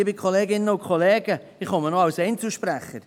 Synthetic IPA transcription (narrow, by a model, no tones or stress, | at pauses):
ɪbɪkʰχoleːɡɪnːəʊnkʰχɔleːɡ̥ə | ɪχɔmənoɑwsɛɪnt͡suʃpɾæχəɾ